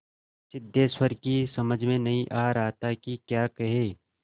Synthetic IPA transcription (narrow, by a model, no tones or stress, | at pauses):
sɪd̪ʱːeːswəɾkisɐməd͡ʒʱmẽnɐɦĩʔaːɾaɦt̪akikjaːkɐɦeː